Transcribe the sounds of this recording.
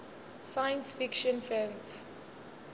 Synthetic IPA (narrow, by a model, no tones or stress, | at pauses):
sajə̃nsfikʃɔ̃nfɛ̃ns